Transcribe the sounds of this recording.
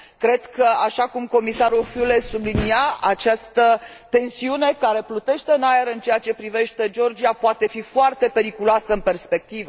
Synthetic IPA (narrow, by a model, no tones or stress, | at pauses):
kɾe̞d̪kəaʃakumko̞misaɾulfjule̞subliniaʔat͡ʃast̪ə | t̪e̞nsiune̞kaɾe̞plut̪e̞ʃt̪e̞ɨnajeɾɨnt͡ʃe̞jat͡ʃe̞pɾive̞ʃt̪e̞d͡ʒo̞rd͡ʒiapoat̪e̞fifoart̪e̞pe̞ɾikuloasəɨnpe̞rspe̞k̚t̪ivə